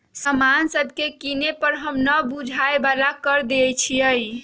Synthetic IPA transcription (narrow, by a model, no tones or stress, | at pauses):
səmansəbʱkekinepəɾɦəmnəbud͡ʒʱaebalakəɾd̪et͡ʃʰiəj